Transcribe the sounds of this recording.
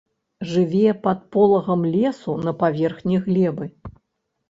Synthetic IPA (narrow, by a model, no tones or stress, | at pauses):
ʐɨvʲɛpɐt̪̚pɔlˠɐɣɐmlʲɛsunɐpavʲɛrxnʲiɣlʲɛbɨ